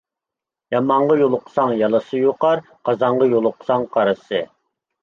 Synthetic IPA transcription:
jɑmɑɴʁɑjolˠʊqʰə̥sɑŋjɑlˠɨsɨjoqɑɾ | qɑzɑɴʁɑjolˠʊqʰə̥sɑŋqʰɑɾɨsɨ

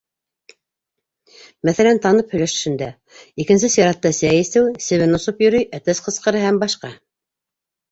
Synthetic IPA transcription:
mæθælænt̪ɑnɤphɵ̆jlæʃɵ̆ʃɘ̆nd̪æ | ikɘ̆ns̬ɘsiɾɑt̪ːɑsæjɘ̆sɘwsɘ̆βɘnŏsopjɵ̆ɾɵjʔæt̪æsqɤ̆sqɤ̆ɾɤhæmbɑʃqɑ

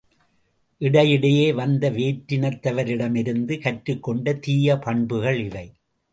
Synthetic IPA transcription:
ʔɪɽɐjɪɽɐjeːʋɐnd̪ɐʋeːʈɾɪnɐt̪ːɐʋɐɾɪɽɐmɪɾɯnd̪ɯkɐʈɾɯkːɔɳɖɐt̪iːjɐpɐɳbɯɣɐɭɪlːɐɪ

